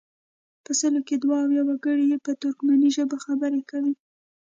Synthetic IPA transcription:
pəsəloked̪waːwjawaɡəɽijepət̪ʊɾkmaniʒəbaxabəɾekawi

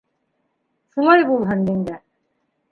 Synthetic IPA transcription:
ʃulˠɑjbulˠɦɤnmind̪æ

